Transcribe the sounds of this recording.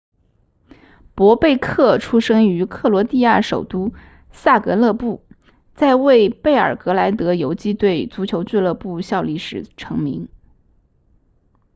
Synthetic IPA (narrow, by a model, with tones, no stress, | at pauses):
pwɔ˧˥pe˥˧ɪkʰɤ˥˩ʈ͡ʂʰu˥ʂɤ˥ŋy˧˥kʰɤ˥˩lwɔ˧˥t̪i˥˧ja˥˩ʂo˨˩ʊt̪u˥ | sa˥˩kɤ˧˥lɤ˥˧pu˥˩ | t͡sa˥˧ɪwe˥˩˧ɪpe˥˩ɪə̰˞˨˩kɤ˧˥la˧˥ɪt̪ɤ˧˥jo˧˥ʊt͡ɕi˥t̪we˥˩ɪt͡su˧˥t͡ɕʰjo˧˥ʊt͡swe˥˧lɤ˥˧pu˥˧ɕjɑ˥˧ʊli˥˩ʂɻ̩˨˩ʈ͡ʂʰɤ˧˥ŋmḭ˧˥ŋ